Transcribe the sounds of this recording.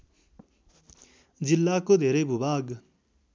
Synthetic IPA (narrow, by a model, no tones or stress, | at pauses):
d͡ʒɪlːakod̪ʱeːɾebubaːɡ